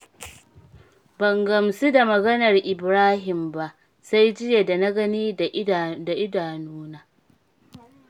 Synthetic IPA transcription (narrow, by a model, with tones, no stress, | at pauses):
bɐ˨ŋɡɐ˨msu˦da˨mɐ˨ɡɐ˦nɐ˨rʔɪ˨bɾaː˦ɦɪ˨mba˨ʔ | sa˦jd͡ʒɪ˦je˨da˨na˦ɡɐ˦niː˦ | da˨ʔɪ˦daː˨nuː˦naː˦